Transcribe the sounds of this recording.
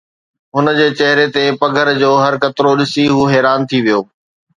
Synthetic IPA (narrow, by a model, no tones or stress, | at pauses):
ɦʊnəd͡ʑeːt͡ɕɐɦɪɾet̪epɐɡʱəɾd͡ʑoːɦɐɾkɐt̪ɾoɗɪsiɦuːɦɛːɾaːnt̪ʰiʋijoː